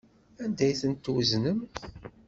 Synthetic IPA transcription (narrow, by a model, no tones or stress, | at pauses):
ænd̪æjθənt̪ːwznəm